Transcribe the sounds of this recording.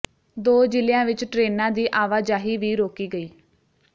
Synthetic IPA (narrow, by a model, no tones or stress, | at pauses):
d̪oːd͡ʒɪlɪjãːʋɪt͡ʃʈɾeːnãːd̪iːʔaːʋaːd͡ʒaːɦiːʋiːɾoːkiːɡəiː